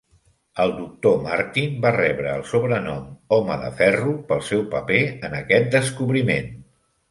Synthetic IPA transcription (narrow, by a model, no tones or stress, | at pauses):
əlˠd̪uk̚t̪omaɾt̪inbarɛβɾəːlˠsuβɾənɔmɔməðə̰fɛrupəlˠsɛwpəpeənəkɛt̪̚d̪əskuβɾimḛn